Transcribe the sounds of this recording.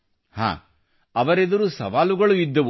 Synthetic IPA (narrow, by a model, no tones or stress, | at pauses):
ha̰ː | ɐʋɐɾed̪ɐɾusɐ̰ʋaːluɡɐɭuid̪ːɐʋu